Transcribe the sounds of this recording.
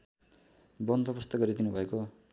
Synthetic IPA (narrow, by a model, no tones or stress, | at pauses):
bʌnd̪ʱʌpust̪ʌɡʌɾid̪inubʱʌeko